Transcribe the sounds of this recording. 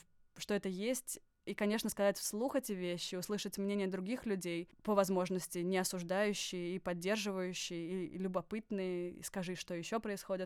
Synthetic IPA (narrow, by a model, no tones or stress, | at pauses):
ʂt̪o̞ɛt̪əjesʲtʲ | ikɐnʲe̞ʂnəskɐzatʲfslˠuxɛtʲɪvʲeɕːɪʊslˠɨʂətʲmnʲenʲɪjəd̪ɾʊɡʲixlʲʉdʲejpəvɐzmo̞ʐnəsʲtʲɪnʲɪɐsʊʐd̪ajʉɕːɪjəipɐdʲːe̞rʐɨvəjʉɕːɪjəilʲʊbɐpɨt̪nɨjəḭskɐʐɨʂt̪o̞jɪɕːo̞pɾəɪsxodʲɪt̪